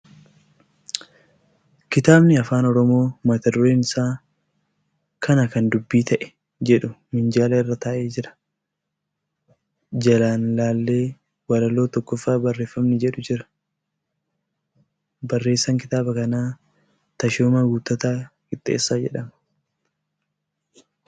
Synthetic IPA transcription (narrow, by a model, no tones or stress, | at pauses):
kɪt̪aːbnɪɐfaːnɔɾɔmo̞ːmɐt̪ɐd̪ʊɾeːnɪsaː | kʰɐnɐkɐnd̪ʊbːiːt̪ʰɐʔɛ̥ | d͡ʒɛᶑʊmɪnd͡ʒaːlɐɪrːɐt̪aːʔe̞ːd͡ʒɪɾɐ̥ | d͡ʒɐlaːnlaːlːe̞ː | wɐɾɐlo̞ːt̪ɔkːɔfːaːbɐrːeːfːɐmnɪd͡ʒɛᶑʊd͡ʒɪɾɐ̥ | bɐrːe̞ːsːɐŋkɪt̪aːbɐkɐnaː | t̪ɐʃoːmaɡuːt̪ːɐt̪aːkɪt̪ʼːḛːsːaːd͡ʒɛ̰ᶑɐmɐ̥